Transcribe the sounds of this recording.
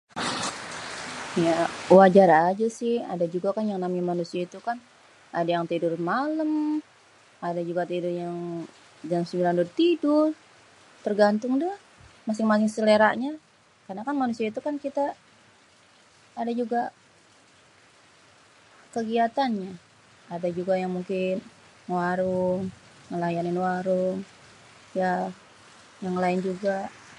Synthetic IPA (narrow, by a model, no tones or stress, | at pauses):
jawad͡ʒaɾad͡ʒusɪha̰dad͡ʒuɡakanjaŋnamɲamanusiait̪ukan | ʔadajaŋt̪idʊrmaləm | adad͡ʒuɡat̪idʊrjaŋ | d͡ʒaŋsəmilandʊrt̪idʊr | t̪ərɡant̪ʊŋdʊ | mas̬ɪŋmas̬ɪŋsəleɾa̰ʔɲa | karnakanmanusiait̪ukankit̪a | dad͡ʒuɡa | kəɡiat̪anɲa | adad͡ʒuɡajaŋmuŋkɪn | waɾʊŋ | ŋəlajanɪnwaɾʊŋ | ja | jaŋlaɪnd͡ʒuɡa